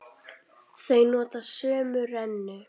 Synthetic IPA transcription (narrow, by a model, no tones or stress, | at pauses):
θejnɔːt̪asœːmʏrɛnːʏ